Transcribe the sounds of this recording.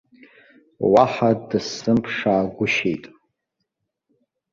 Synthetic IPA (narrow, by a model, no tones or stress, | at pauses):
waħadɨsɨmpʰʂaːɡʷʊʃḛjtʼ